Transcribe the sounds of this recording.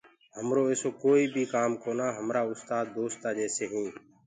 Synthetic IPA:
həmɾoːeːsoːkoːiːbʱiːkaːmkoːnaːɦəmɾaːʊst̪aːd̪̚ːoːst̪aːd͡ʒeːseːɦĩː

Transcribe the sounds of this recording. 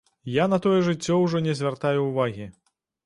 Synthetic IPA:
janɐt̪ɔjɛʐɨt͡sʲːɔwʐɔnʲɛzʲvʲart̪ajuːvaɣʲi

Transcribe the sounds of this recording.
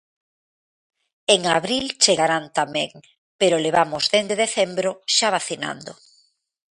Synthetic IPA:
eŋaβɾilt͡ʃeɣaɾant̪amẽŋ | peɾoleβamʊzðend̪eðeθembɾoʃaβ̞aθina̰nd̪o

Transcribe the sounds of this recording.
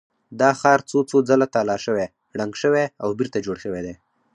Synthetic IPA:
d̪ɑxɑɾt͡sot͡sod͡zalat̪alɑʃəwe | ɽaŋɡʃəweawbiɾt̪ad͡ʒoɽʃəwed̪e

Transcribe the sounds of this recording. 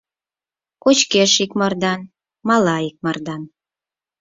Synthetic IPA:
kot͡ɕkeʃikmɤrd̪ɑn | mɑlɑik̚mɑrd̪ɑn

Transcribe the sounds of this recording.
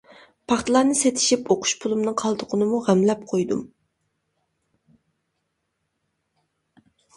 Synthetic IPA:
pʰɑχt̪ɨlˠɑnɨset̪ʰɪ̥ʃipʰoqʰʊ̥ʃpʰulˠumnɨŋqʰɑlˠd̪ʊqʰʊnɨmuʁæmlɛp̚qʰojd̪ṵm

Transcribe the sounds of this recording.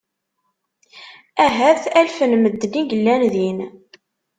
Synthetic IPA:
æɦæθælfənməd̪ːniɡəlːænðin

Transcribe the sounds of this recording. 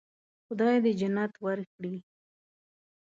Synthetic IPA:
xʊd̪ɑjd̪əd͡ʒanɑt̪waɾkɽi

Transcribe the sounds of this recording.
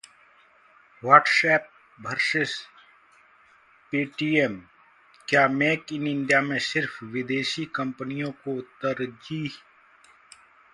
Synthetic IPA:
waɾʈsɛːp̚ | bʱəɾʃɪs | piːʈiːem | kjaːmeːkɪnɪɳɖijamẽsɪɾfʋɪd̪eːʃikɐmpənijõkot̪əɾd͡ʒiː

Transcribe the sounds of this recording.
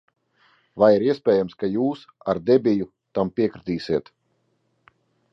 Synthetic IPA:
vajiɾiɛspʲɛːjamskajuːsaɾd̪ɛbʲiju | t̪ampʲiɛkɾit̪iːsiɛt̪

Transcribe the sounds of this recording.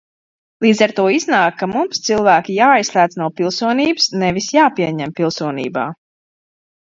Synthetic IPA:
lˠiːd̪zaɾt̪uɔiznaːkːamumst̪silˠvæːkʲijaːajslʲˠæːt̪snawpilˠsuɔniːbɨsnɛvisjaːpiɛɲɛmpilˠsuɔnḭːba̰ː

